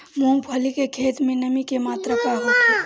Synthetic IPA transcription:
mõːŋbʱɐlikekʰeːt̪mẽnəmikemaːt̪ɾəpaɦot̪e

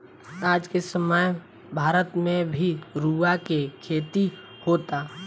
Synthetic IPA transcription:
aːd͡ʒkesəmaj | bʱaːɾət̪mẽbʱiɾuːakekʰeːt̪i | hoːt̪aː

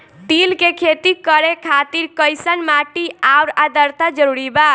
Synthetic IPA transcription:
t̪ilkekʰet̪ikəɾekʰat̪iɾkəjsənmaʈiauɾad̪əɾt̪ad͡ʒəɾuɾiba

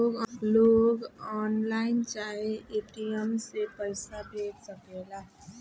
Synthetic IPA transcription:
ɡloɡɔnlaɪnt͡ʃaɦeeʈijəmsepəɪsabʱeɡsəkelaɦ

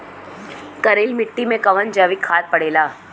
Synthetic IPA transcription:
kɐɾeːlmɪʈːimẽkɐʋənd͡ʒaːʋikʰaːɾ̚pɐɽeːlaː

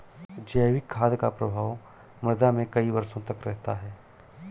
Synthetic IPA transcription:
d͡ʒɛːwɪkʰːaːd̪kapɾɐbʱaːw | mɐɾd̪amẽkɐiʋɐɾsõt̪ɐkɾɛɦt̪aɦɛː

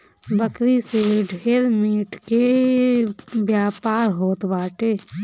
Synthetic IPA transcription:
bəkɾiseɖʱeːɾmiːʈke | bjaːpaːɾɦoːt̪baːʈeː

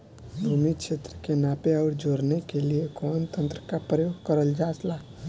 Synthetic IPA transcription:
bʱumikkʃʰet̪ɾəkenapeaɾd͡ʒoɾnekeliekɔːnt̪ənt̪ɾəkapɾəjoɡkəɾəld͡ʒasla

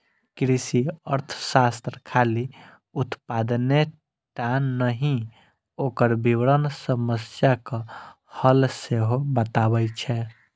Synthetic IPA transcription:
kɾisiəɾt̪ʰə̥sast̪ɾkʰali | ut̪pad̪ne | ʈanːəɦĩ | okəɾbiwɾənsəməsjakə | həlseɦobət̪abɛt͡ʃʰɛ

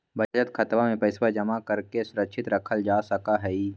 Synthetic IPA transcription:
bʱɐd͡ʒət̪kʰɐt̪ʋamẽpɐɪswad͡ʒɐmakɐɾkesʊɾəkʃʰɪt̪ɾɐkʰəld͡ʒaːsɐkaɦɛi

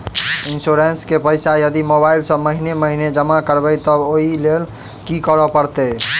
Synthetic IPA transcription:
insoɾenskepəjsajəd̪imobaɪlsə̃məɦineməɦined͡ʒəmakəɾbɛjt̪əboɦilel | kikəɾɔpəɾt̪ɛ

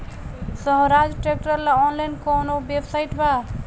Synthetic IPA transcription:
səɦɾad͡ʒʈɾek̚ʈəɾlaɔnlajnkɔnobebsajʈba

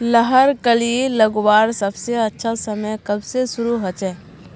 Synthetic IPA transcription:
ləɦəɾkəlieləɡwaːɾsɐbseɐtːʃʰasəməjkəbsesʊɾuɦət͡ʃɛː

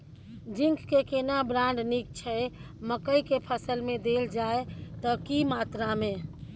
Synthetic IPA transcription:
d͡ʒĩŋkkekenabɾãɳɖnik̚t͡ʃʰə | məkəjkepʰəsəlmẽd̪eld͡ʒaet̪ɔkimat̪ɾamẽ

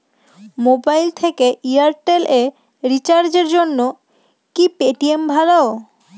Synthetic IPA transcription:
mobajlt̪ʰekeʔiaɾʈele | ɾit͡ɕaɾd͡ʑeɾd͡ʑonːo | kipeʈiembʱalao

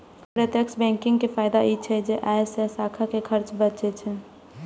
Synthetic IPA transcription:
pɾet̪jəksbɛ̃ːŋkɪ̃ŋɡkefʰaːɪd̪ait͡ʃʰɛd͡ʒeʔasɛsaːkʰakekʰəɾt͡ʃbət͡ʃet͡ʃʰɛ

